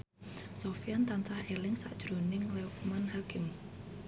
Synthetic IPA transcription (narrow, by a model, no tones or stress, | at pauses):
sofiant̪ant͡ʃahelɪŋsaʔd̥ʒ̥ɾonɪŋlɛʊk̚manhakɪm